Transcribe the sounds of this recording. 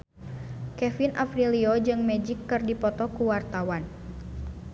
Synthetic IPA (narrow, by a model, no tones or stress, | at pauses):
kɛfinʔa̰fɾiliod͡ʒɨŋmɛd͡ʒikːɨrdipɔt̪ɔkuwart̪awan